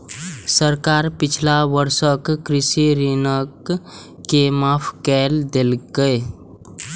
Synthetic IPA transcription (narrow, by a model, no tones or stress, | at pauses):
səɾkaːɾpɪt͡ʃʰlaʋəɾʃəkːɾɪsiɾinəkː | emaːpʰkɛːld̪elɡəe